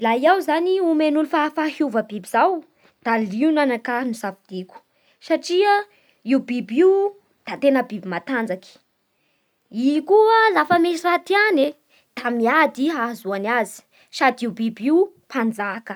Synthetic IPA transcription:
laiawzaniumenulifafahuvəbibizaw | d̪̥aliunanakanuzavid̪̥ikʲu̥ | saʈ͡ʂiə | iubibiw | d̪̥at̪enəbibimat̪and͡zaki̥ | ikuəlafəmesirat̪iane | d̪̥amiad̪iɦazuanazi̥ | sad̪iubibiwpand͡zakə

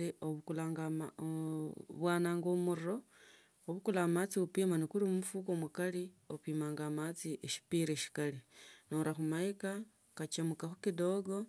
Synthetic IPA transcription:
ioβukulaŋɡamaoβwaːnaːŋɡomuɾiɾo̞ | oβukulamat͡siupiːmanikulimumufukomukaliopiːmaːŋɡamat͡siʔeʃi̥piɾeʃi̥kalinoɾaxumaika | kat͡ʃemukaxukido̞ɡo̞

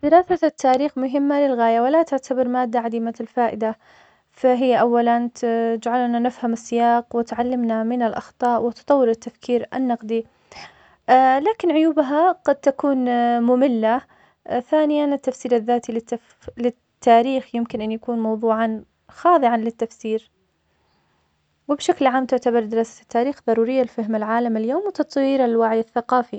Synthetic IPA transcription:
bɪɾaːθat̪ʰːaːɾiːxmʊɦɪmːalɪlɣaːjawɪlat̪ɪʕt̪ʰabɪɾmaːd̪ːaʕad̪imalfaːʔɪd̪a | faɦɪjːaʔawːalanɪd͡ʒʕalnanɪfhamɪsːɪjaːqwɪt̪ʕalːɪmnamɪnalʔɑ̰xt̪ˤɑːʔwɪt̪ʊ̥t̪ˤɑwːɪɾɪt̪ːafkʰiːɾʔa̰nːɑqd̪i | laːkɪnʕʊjuːbɦaɡ̥ɑd̪̚t̪akuːnmʊmɪlːa | θaːnɪjanɪt̪ːafsiːɾaðːaːt̪ilɪa | lɪ | t̪ːaːɾiːxjɪmkɪnʔanjakuːnmɑwðˤuːʕɑn | xɑːðˤɨʕanlɪt̪ːafsiːɾ | wɪbʃaklʕaːmt̪ʊʕt̪abɑɾˤd̪ɪɾɑːsḁt̪ːaːɾiːxðˤɑɾˤuːɾɪjːalfɪɦmalʕaːlamɪljoːmwɪt̪ɑt̪ˤwiːɾalwaʕɪjaθːaqɑːfi

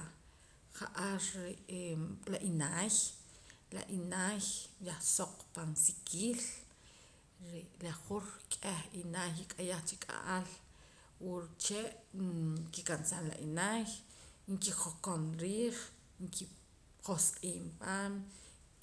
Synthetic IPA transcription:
χaʔaɾe | laʔinaːj | la̰ʔinaːjjaχsoq͡χpansikʰiːl | ɾelaχuɾkʼeχinaːjikʼajaχt͡ʃikʼa̰ʔal | wuɾt͡ʃeʔ | kikansanla̰ʔinaj | ŋkiχokonɾiːχ | ŋkʰi | χosqʼiːmpaːm

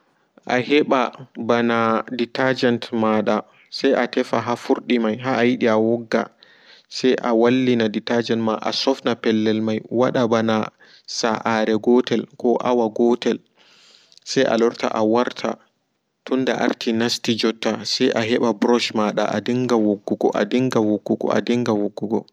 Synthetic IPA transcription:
ʔahɛɓabanaditad͡ʒɛntmaɗa | sajʔatɛfaɦafuɾɗimajɦaʔajiɗiawɔɡːa̰ | sajʔawalːinaditad͡ʒɛntmaʔa̰sɔfnapɛlːɛlmajwaɗabana | saʔaɾɛɡɔtɛlkɔʔawaɡɔtɛl | sajʔa̰lɔɾta̰ʔawaɾtʰa̰ | tunːda̰ʔa̰ɾtʰinastid͡ʒɔtːasajʔaɦɛɓabɾɔʃmaɗa̰ʔa̰diŋɡawoɡːuɡɔ̰ʔa̰diŋɡawoɡːuɡɔ̰ʔa̰diŋɡawoɡːuɡɔ

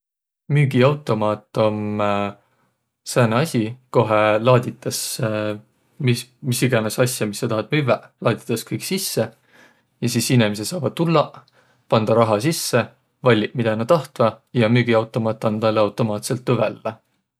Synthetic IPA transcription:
myːɡ̥iɑwt̪ːˑo̞mɑːt̪ːˑo̞m | sæːneɑsʲiko̞ɦelɑːd̪̥ʲit̪ːˑɑs | mimisiɡ̥ɑnesɑsʲjɑmisːɑt̪ɑhɑt̪̚myvælɑːd̪̥ʲi̥t̪ːˑɑskɤjksisːe | jɑsiːsinemis̬et̪sɑːvɑd̪̥̚t̪ulːɑ | pɑnd̪̥ɑɾɑɦɑsisːe̞ | vɑlʲːiʔmid̪̥ɑnɑt̪ɑht̪vɑjɑmyːɡ̥iɑwt̪ːˑo̞mɑːt̪ːˑɑnd̪ɑlːɑwt̪ːˑo̞mɑːt̪se̞lt̪lɤvælːɑ

